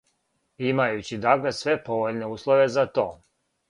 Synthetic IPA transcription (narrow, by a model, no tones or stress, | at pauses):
imajut͡ɕid̪akle̞sʋe̞po̞ʋoʎne̞uːslˠoʋe̞zat̪oː